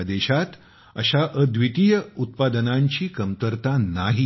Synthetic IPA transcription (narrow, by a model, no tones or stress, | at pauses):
d̪eɕat̪ | ə̰ɕaʔəd̪ʋit̪ijəut̪̚pad̪ənãɲt͡ɕiːkəmt̪əɾt̪anaɦi